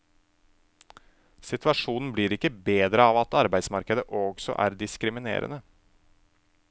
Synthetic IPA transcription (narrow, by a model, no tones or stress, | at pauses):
sɪt̪ʰʋɑʂuːnn̩bliɾɪkːəbeːd̪ɾəɑːʋɑt̪ɑɾbæɪd̪smɑɾkəd̪əʔɔɡsɔ̰ʔæ̰ːɾd̪ɪskɾɪmɪnḛːɾə̰nə